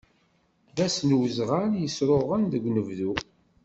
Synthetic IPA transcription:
ðæsnwzʁaɾjəsɾoʁənðəɡʷnəvðu

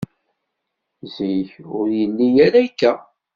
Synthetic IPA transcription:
ziçʊɾjənːijæɾæjkːæ

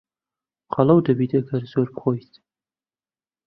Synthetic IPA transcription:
qʰɑlˠɐwd̪ɐbiːt̪ɐɡɐɾz̥oɾbɨχoːjt̪

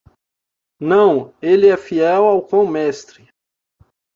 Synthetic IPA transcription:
nɐ̃w̃elɪɛfiɛwawkwɐ̃w̃mɛst̪ɾɪ

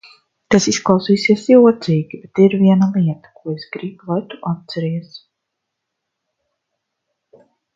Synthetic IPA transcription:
t̪asisklˠɑwsiːsiɛsiuɔt̪siːɡʲibet̪iɾviɛnalˠiɛt̪ḁkuɔesɡɾiblˠajt̪uʔat̪̚t̪sɛɾiɛs

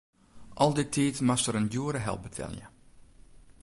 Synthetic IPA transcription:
ʔɔlˠdɪtʰːiːtmastəɾəndjuəɾəɦɛ̰l̚ˠbətʰɛ̰lˠjə̰

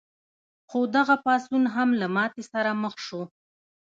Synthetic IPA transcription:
xod̪aɣapɑsunɦamlamɑt̪esaɾaməxʃo

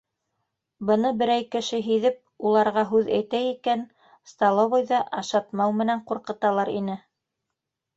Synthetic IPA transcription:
bɤ̆nɤbɘ̆ɾæjkɘ̆ʃɘɦiðɘp̚ulˠɑɾʁɑɦʉðæ̰jt̪æikæn | st̪ɑlˠovojðɑʔɑʃɑt̪mɑwmɘ̆næɴquɾqɤ̆t̪ɑlˠɑɾḭnɘ

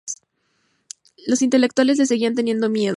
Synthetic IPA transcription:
lo̞sint̪e̞le̞k̚t̪wale̞s̬le̞s̬eɣiant̪e̞nje̞nd̪o̞mje̞ð

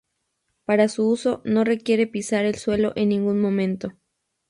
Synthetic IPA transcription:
paɾasuuso̞no̞re̞kje̞ɾe̞pisaɾe̞lswe̞lo̞̰ʔenːĩŋɡunmõ̞mẽnt̪o̞

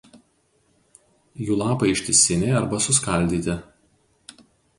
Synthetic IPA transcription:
juːlˠɑːpɐɪɪʃʲt̪ʲɪsʲɪnʲɛːɐɾbɐsʊskɐˑlʲd̪ʲiːt̪ʲɪ

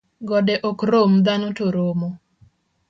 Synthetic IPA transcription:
ɡɔdɛʔokɾomd̪anotoɾomo

